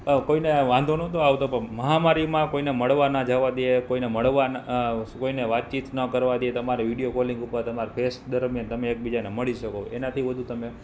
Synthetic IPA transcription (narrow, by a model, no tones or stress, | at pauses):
koineʋãnd̪ʱonot̪oaʋt̪opəməɦamaɾimãkoineməɭʋanad͡ʒəʋad̪iekoineməɭʋankoineʋat̪̚t͡ʃit̪nəkəɾʋad̪iet̪əmaɾeʋiɽijokoliŋɡupəɾt̪əmaɾpʰesʈ̚d̪əɾmjant̪əmeːk̚bid͡ʒaneməɭiʃəkoenat̪ʰiʋəd̪ʱut̪əme